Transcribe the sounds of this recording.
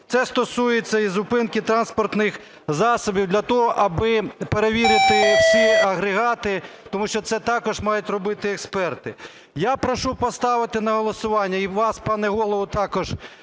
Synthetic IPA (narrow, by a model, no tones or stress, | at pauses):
t̪sɛst̪ɔsujet͡sʲːɐizʊpɪnkɪt̪ɾɑnspɔrt̪nɪx | zɑsɔbʲiwd̪lʲɐt̪ɔɦɔʔɐbɪpeɾeʋʲiɾɪt̪ɪwsʲiɐɦɾeɦɑt̪ɪt̪ɔmuʃt͡ʃɔt̪sɛt̪ɑkɔʒmɑjʊtʲrɔbɪt̪ɪɛkspɛrt̪ɪ | japɾɔʃupɔst̪ɑʋɪt̪ɪnɐɦɔlˠɔsʊʋɑnʲːɐiʋɑspɑnɛɦɔlˠɔʋʊt̪ɑkɔʒ̥